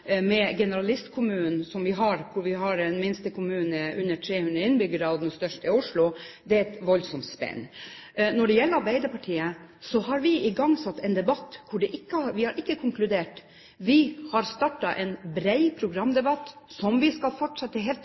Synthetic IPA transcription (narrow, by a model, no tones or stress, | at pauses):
mɛɡɛnəɾɑlɪst̪kʰʊmʉːn̩sɔmʋɪɦɑɾkʰʊɾʋɪɦɑɾɛnmɪnst̪əkʰʊmʉːnəʉnːəʈʰɾeːhʉnd̪ɾəɪnbʏɡəɾɑd̪ɛnst̪œʂʈɪʊʂlʊ | d̪ɛæɾɛt̪ʋɔlsɔmt̪spɛ̰nːnɔɖɛjɛlːəɾɑɾbæɪd̪əpʰɑʈʰiːəsɔɦɑɾʋɪɪɡɑŋsɑt̪ːɛnd̪ɛbɑt̪ːkʰʊɖɛʔɪkːəʋɪhɑɾʔɪkːəkʰʊŋklʉd̪eːʈ | ʋɪhɑɾst̪ɑʈːɑʔɛnbɾæɪpʰɾʊɡɾɑmːd̪ɛbɑt̪ːsɔmʋɪskɑlfɔʈʂɑt̪ːəɦɛ